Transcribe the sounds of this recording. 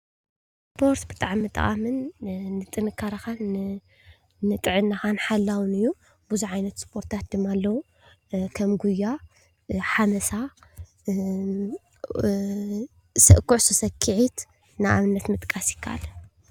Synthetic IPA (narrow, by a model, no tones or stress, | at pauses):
spʰo̞ɾt̪bɨt̪ʼaʕmːɨt̪ʼʔʼa̰mɨnːɨt̪ʼɨnɨkʰːaɾakan | nɨt̪ʼɨʕɨnːaxanħalːawɨnɨjːu | buzuʕajnɐt̪spʰo̞ɾt̪ʰat̪̚d̪ɨmːalːɐwu | kʰɐmɡujːa | ħamɐsa | sɐʔkʰːuʕsɨsɐkʰːɨʕit̪ | naʔa̰mɨnːɐt̪mɨt̪ʼkʼasjɪ̥kʰːaʔa̰lɐ